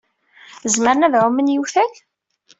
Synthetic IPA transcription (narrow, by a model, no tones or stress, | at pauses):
zməɾnævʕʊmənjuθæç